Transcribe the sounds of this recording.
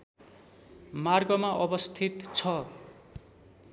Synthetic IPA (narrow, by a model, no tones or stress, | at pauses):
marɡʌmaʔʌbʌst̪ʰit̪t͡sʰʌ